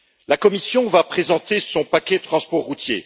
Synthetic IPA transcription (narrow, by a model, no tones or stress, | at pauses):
lakɔmisjɔ̃vapχezɑ̃t̪esɔ̃pakʲɛt̪χɑ̃spɔʁːut̪jḛ